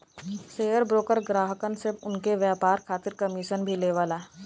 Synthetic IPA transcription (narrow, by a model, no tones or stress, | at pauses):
seːjəɾbɾoːkəɾɡɾaːɦəkənsɪbʊnkeʋjaːpaːɾkʰaːt̪ɪɾkɐmiʃənbʱileʋaːlaː